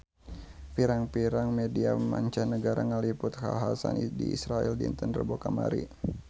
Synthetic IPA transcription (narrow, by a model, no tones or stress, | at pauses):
fiɾaŋpiɾaŋmediamaɲt͡ʃanːəɡaɾaŋalipʊt̪ka̰ɦasa̰ndiisɾaɛldint̪ənrəbokamaɾḭ